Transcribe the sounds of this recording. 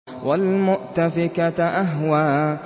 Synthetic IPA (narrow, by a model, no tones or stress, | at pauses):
wʔalmʊʔt̪afɪkat̪ʔaɦwaː